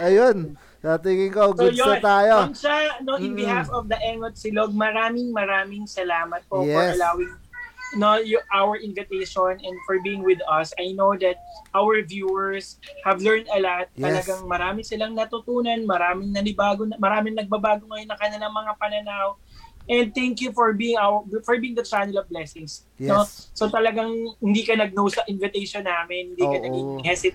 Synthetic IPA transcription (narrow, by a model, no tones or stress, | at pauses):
ɐjon | t̪at̪iŋɪŋkoɡɪjoot̪aːjoʊnʃɐnoɪ̃nbɪhafɔvd̪ɐʔɛŋot̪̚sɪloɡ̚mɐɾaːmɪŋmɐɾaːmɪŋsɐlaːmɐt̪̚pofɔɐlaːwɪŋ | nojʊʔawəɹʔɪnvɪt̪ejʃɔnɛ̃nd̪fɔɹbiːɪŋwɪd̪ɐsɐjnowd̪ɐt̪̚ʔawɛɹvjuːɛɹshɐvlɛɹnd̪ɐlat̪̚ːɐlɐɡaŋmɐɾaːmɪsɪlaŋnɐt̪ʊt̪uːnɐnmɐɾaːmɪŋnɐnɪbaːɡonɐmɐɾaːmɪŋnɐɡ̚bɐbaːɡoŋɐjonːɐŋkɐnɪlɐŋmɐŋapɐnɐnawʔɛ̃nd̪̚t̪ɛŋkjufɔɹbiːɪŋawfɔɹbiːɪŋd̪ɐt͡ʃanɪlɐvblɛsɪŋs | noːot̪ɐlɐɡaŋhɪnd̪iːkɐnɐɡ̚nowsɐʔɪ̃nvɪt̪ejʃonːaːmɪnhɪnd̪iːkɐɐɡiɪŋhɛsɪt̪